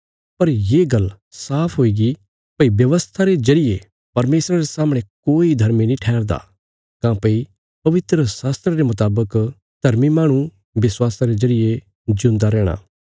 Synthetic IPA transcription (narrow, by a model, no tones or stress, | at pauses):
pɐɾjeːɡɐl | saːpʰɦoːiɡi | pɐibjɐʋəst̪ʰaɾezɐɾɪje | pɐɾmeːsɾaɾesaːmɽ̃ekoːid̪ʱɐɾminĩʈʰɛːɾd̪a̰ | kãpɐi | pɐʋɪt̪ɾəsaːst̪ɾəɾemʊt̪aːbək | d̪̥ʱɐɾmimãːɽ̃u | ʋɪswaːsaɾezɐɾɪje | d͡ʒʊ̃nd̪aɾɛːɽ̃a̰ː